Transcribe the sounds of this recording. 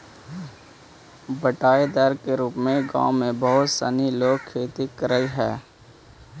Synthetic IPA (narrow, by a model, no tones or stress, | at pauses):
bəʈaːed̪əɾkeɾuːpmẽɡã̰ːʊ̃mẽbəɦʊt̪səniloːɡkʰːeːt̪ikəɾəiɦɛː